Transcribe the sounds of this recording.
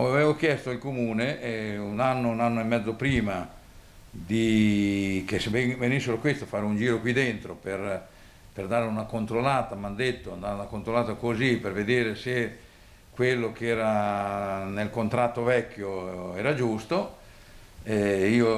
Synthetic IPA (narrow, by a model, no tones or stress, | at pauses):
aaveːvok̟jɛst̪oilkomuːneunanːonanːoemːɛd̪zːopɾiːma | d̪i | kesvevenisːeɾokwest̪ofaːɾeund͡ʒiːɾokwid̪ent̪ɾoper | perd̪aːɾeunakont̪ɾolaːt̪amand̪et̪ːoand̪aɾunakont̪ɾolaːt̪akoziperved̪eːɾese | kwelːokɛːɾa | nelkont̪ɾat̪ːovɛkːjoɛːɾad͡ʒust̪o | ɛiːo